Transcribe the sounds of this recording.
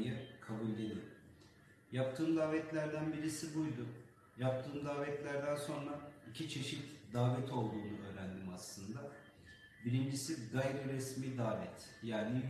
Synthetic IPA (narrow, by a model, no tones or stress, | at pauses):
jɛkʰabulʲɟeni | jap̚t̪ʰɯːmd̪aːvɛt̪lʲæɾd̪ænbiɾisibujd̪um | jap̚t̪ʰɯːmd̪aːvɛt̪lʲæɾd̪ænso̞nɾaicʰit͡ʃʰe̞ʃit̪d̪aːvɛt̪ʰo̞lˠd̪uːnuʔø̞ːɾænd̪imaslˠɯnd̪a | biɾind͡ʒisiɡajɾiɾɛsmiːd̪aːvɛt̪ʰjaːni